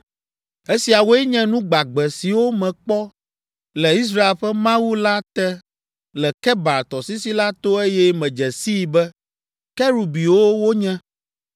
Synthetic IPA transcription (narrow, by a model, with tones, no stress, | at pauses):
e˦si˨a˨wo˦ɛ˦ɲɛ̃˦nũ˦ɡ͡ba˨ɡ͡bɛ˨si˨wo˦mɛ̃˨k͡pɔ˦ | lɛ˨i˦s̬ɾa˦e˨lɸɛ˦mã˦wu˦la˦t̪ɛ˦ | lɛ˨kɛ˦ba˨t̪ɔ˨si˦si˦la˦t̪o˦e˦jɛ˦mɛ̃˨d͡ʒɛ˨si˦˨bɛ˦ | kɛ˦ɾu˨bi˨wo˦wo˦ɲɛ̃˦